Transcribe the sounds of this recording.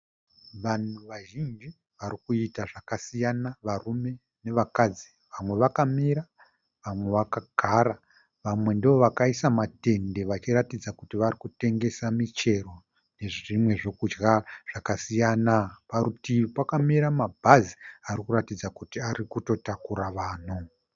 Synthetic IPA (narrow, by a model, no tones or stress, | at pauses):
ʋan̤uʋaʒind͡ʒi | ʋaɾikuitaʐakasijanaʋarume̞ | ne̞ʋakad͡zi | ʋamwe̞ʋakamiɾa | ʋamwe̞ʋakaɡʱaɾa | ʋamwe̞ndiʋo̞ʋakaisamate̞nde̞ʋat͡ʃiɾatid͡zakutiʋaɾikute̞ŋɡe̞samit͡ʃe̞ro̞ | ne̞ʐʐimwe̞ʐo̞kud͡ʒɡaʐ̥akasijanapaɾutipakamiɾamabʱaziaɾikuɾatid͡zakutiaɾikuto̞takuɾaʋaːn̤u